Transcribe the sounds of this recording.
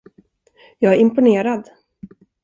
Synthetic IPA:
jɑːɡæɾɪmpʊneːɾad̪

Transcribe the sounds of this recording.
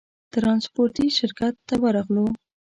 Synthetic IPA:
t̪ɾɑnspoɾʈiʃɪɾkat̪ːawəɾɑɣlo

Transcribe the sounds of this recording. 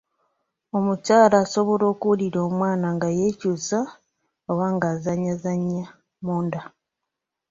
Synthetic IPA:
o̞mucaːlaːso̞βo̞lo̞ːkuuliɾo̞ːmwaːnaŋɡajecuːsa | owaŋɡaːzaɲːazaɲːa | muːnda

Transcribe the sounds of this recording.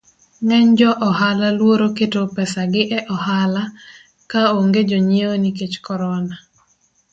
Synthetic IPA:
ŋɛɲd͡ʒɔʔɔɦalalwoɾoketopɛsaɡɪʔɛʔɔhala | kaoŋɡed͡ʒoɲeoniket͡ʃkɔɾɔna

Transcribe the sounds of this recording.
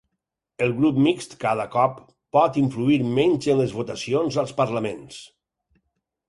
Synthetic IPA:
əlˠɣɾupmikst̪kað̞əkɔpː | ɔt̪iɱfluiɾmɛɲʲzənləzβut̪asionzəlˠspəɾlamens

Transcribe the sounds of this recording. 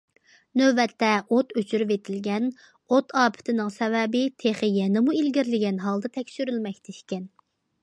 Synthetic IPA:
nøbɛt̪ːɛʔot̪øt͡ʃʰyɾyvet̪ʰɪlɡʲɛn | ot̪ʰɑːpʰɪ̥t̪ʰɪnɪŋsɛvɛbɪt̪ʰeχɨjɛnɪmuilɡʲiɾlɪɡʲɛnɦɑlˠd̪ɨt̪ʰɛkʲʃyɾylmɛkʲt̪ʰɛʃkʲɛn

